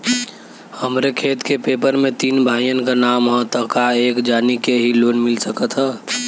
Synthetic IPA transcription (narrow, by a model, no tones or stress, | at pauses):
həmɾekʰeːt̪kepeːpəɾmẽt̪iːnbʱaːjənkanaːmɦɔ̃t̪əɦkaeːkd͡ʒaːnikeɦiloːnmɪlsəkət̪ɦɛː